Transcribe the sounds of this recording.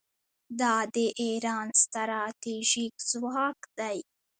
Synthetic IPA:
d̪ɑd̪əʔeɾɑːnst̪aɾɑt̪iʒikzwɑkd̪aj

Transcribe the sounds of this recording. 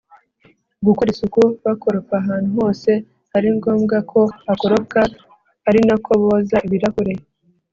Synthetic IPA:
ɡukoɾisukuβako̞ɾokaɦaːn̥uɦo̞ːse̞ | haɾiŋɡo̞ːmɡakʰo̞ako̞ɾoka | haɾinakʰoβoːzaβiɾakuɾeje

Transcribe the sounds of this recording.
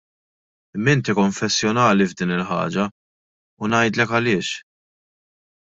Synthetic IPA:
ɪmːɪnt̪ikɔɱfɛsːjɔnɐːlivd̪iːnɪlħɐ̰ːd͡ʒɐ | ʊnɐjd̪lɛkɐlɪːʃ

